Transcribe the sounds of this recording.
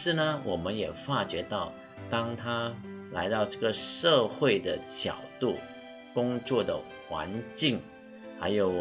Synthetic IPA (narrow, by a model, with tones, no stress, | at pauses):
ʂɻ̩˥˩nə˩wʔɔ˨˩mə˦njɛ˨˩fa˥˩t͡ɕɥɛ˧˥t̪ɑ˥˩ʊ | t̪ɑ˥ŋt̪ʰa˥la˧˥ɪt̪ɑ˥˧ʊʈ͡ʂɤ˥˩ɡə˩ʂɤ˥˧xwe˥˩ɪd̪ə˩t͡ɕjɑ̰˨˩ʊt̪u˥˩ | kʊ˥ŋt͡swɔ˥˩d̪ə̰˩ | xwa̰˧˥nt͡ɕi˥˩ŋ | xa˧˥ɪjo˨˩ʊ